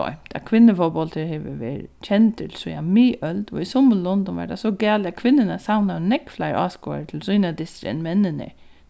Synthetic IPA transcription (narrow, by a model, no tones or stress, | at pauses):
ɔ̰ʏmt̪a̰kʰʋɪnːəfɔbɔlt̪ʰəɹheʋə̰ʋḛːɾt͡ʃʰɛnt̪ʰɪlsiamiːʔœld̪ɔ̰isʊməllːɔnd̪ʊnʋa̰ɹd̪asɔɡɛːlat̪kʰʋɪnːɪnasawnanɛkflaɪɾʔa̰ːsko̰ːa̰ɹət̪ʰɪlsyːnad̪ɪst̪ɾɛ̰nmɛnːɪnə̰ɹ